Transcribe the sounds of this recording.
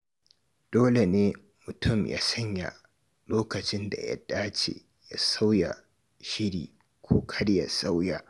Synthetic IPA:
d̥oː˦le˨neː˦ | mʊ˨tʰʊ˦˨mja̰ː˦sɐ˦ɲja̰˨ | loː˦kɐ˨t͡ʃɪ˦nda̰˨ja̰˦d̥aː˦t͡ʃḛ˨ | ja˦sa˦wja˨ | ʃɪ˦ɽḭː˨ | kʷʰoː˦kʰɐ˦ɽja˨sa˦wja˨

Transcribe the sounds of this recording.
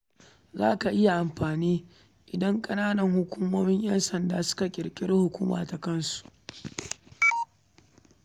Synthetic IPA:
za̰ː˦ka˨ʔɪ˦ja˨ʔa˨mɸaː˨niː˦ | ʔɪ˨dɐ˦ŋkʼɐ˦naː˦nɐ˨ŋhʊ˦kʷuː˦moː˦mɪ˦ɲjɐ˦nsɐ˨ndaː˨sʊ̥˦ka˨kʲʼɪ˨ɽkʲʼɪ˦ɽhʊ˨kʷuː˦ma̰ː˨ta˨kɐ˦nsu̥˨ʔ

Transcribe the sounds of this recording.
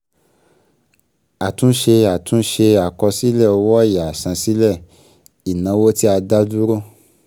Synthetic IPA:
a˨tũ˨˦ʃe˧a˨tũ˨˦ʃe˧a˨kɔ˧si˦lɛ˦˨ɔ˧wɔ˦˨ja˨a˨sã˧si˦lɛ˦˨ | i˨nã˨˧˦wo˦ti˦a˧da˦du˦ɾo˦˨

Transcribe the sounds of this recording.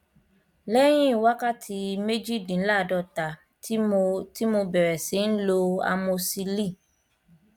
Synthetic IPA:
lɛ˦j̃ĩ˦i˨wa˦ka˦tʰi˧me˦d͡ʒi˦dĩ˨˦la˦˨dɔ˧˨ta˨˦ | ti˦mo˧bɛ˨ɾɛ˨si˨˦n̩˦lo˧a̰˧mõ˧si˧li˦˨

